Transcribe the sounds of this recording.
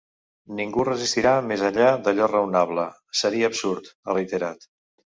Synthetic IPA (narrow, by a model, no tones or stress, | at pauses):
niŋɡurəzist̪iɾamezəɲʎad̪əʎɔrəwnaβlə | səɾiəːpsuɾt̪rəjt̪əɾat̪